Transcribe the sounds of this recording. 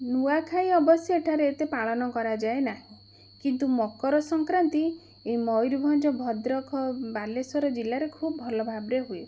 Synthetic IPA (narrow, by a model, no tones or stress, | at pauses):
nuakʰaj̃ɔbɔsjɔeʈʰaɾeet̪epaɭɔnɔkɔɾad͡ʒaenaɦĩ | kint̪umɔkɔɾɔsɔŋkɾant̪i | emɔjɾubʱɔnd͡ʒɔbʱɔd̪ɾɔkʰɔbalesɔɾɔd͡ʒilaɾekʰubɔbʱɔlɔbʱabɾeɦue